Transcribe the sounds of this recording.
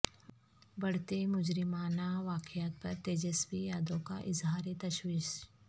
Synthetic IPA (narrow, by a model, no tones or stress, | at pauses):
bɐɽ̤t̪emʊd͡ʒɾɪmaːnaʋaːkɪjaːt̪̚pɐɾt̪eːd͡ʒɛsbijaːd̪õkaʔɪzɦaːɾet̪ɐʃwiːʃ